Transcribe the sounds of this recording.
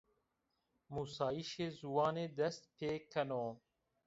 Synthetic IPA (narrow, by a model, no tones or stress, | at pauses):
musaːjiʃeːzuwɑːneːd̪ɐst̪̚pʰeːkʰːɐnoː